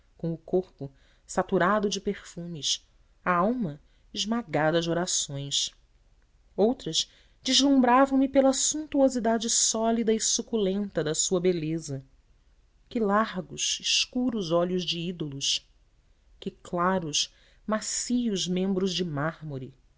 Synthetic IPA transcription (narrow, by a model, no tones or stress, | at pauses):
kõʊkoχpʊ | sat̪uɾad̪ʊd͡ʒɪpeχfũmɪs | aawmɐ | ɪʒmaɡad̪ɐd͡ʒoɾasõj̃s | owt̪ɾɐz | d͡ʒɪzlũmbɾavɐ̃w̃mɪpelɐsũnt̪uozid̪ad͡ʒɪsɔlid̪ɐisukulẽnt̪ɐd̪ɐsuɐbelezɐ | kɪlaɦɡʊʃɪʃkuɾʊzɔʎʊzd͡ʒɪid̪olʊʃ | kɪklaɾʊʃ | masijʊʒmẽmbɾʊzd͡ʒɪmahmoɾi